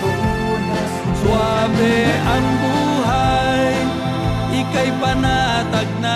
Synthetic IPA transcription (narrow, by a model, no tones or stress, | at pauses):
swabeaŋbuɦaj | ɪkajpanat̪ak̚na